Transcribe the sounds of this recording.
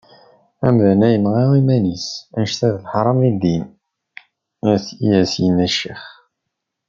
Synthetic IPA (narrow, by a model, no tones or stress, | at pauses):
æmðænæjənʁiwimænisænʃθæðlħɾˤɑmid̪in | æθijæsjənæʃḭχ